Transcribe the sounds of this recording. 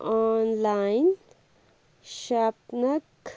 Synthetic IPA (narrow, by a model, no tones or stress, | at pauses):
ɔnlaɪn | ʃapnək